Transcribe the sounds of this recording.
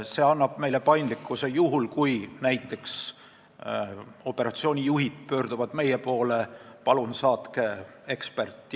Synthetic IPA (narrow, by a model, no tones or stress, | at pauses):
se̞ːɑnːɑb̥me̞jle̞pɑjnd̪likːˑuse̞juɦulkujnæjt̪ːˑe̞ks | o̞pːe̞ɾɑt̪sio̞ːnʲijuɦid̪̥̚pø̞ːrd̪̥uvɑd̪̥me̞jepo̞ːle̞pɑlunsɑːt̪ke̞e̞kspert̪ːˑ